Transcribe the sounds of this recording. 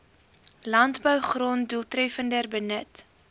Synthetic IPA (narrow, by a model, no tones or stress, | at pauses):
lɐntbœwχrontduːlˠtrɛfəndərbənət